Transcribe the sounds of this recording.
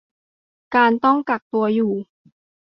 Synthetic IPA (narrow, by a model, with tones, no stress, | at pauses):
kaː˧nt̪ɔ˥˩ŋka˨˩k̚t̪u˧ɐjuː˨˩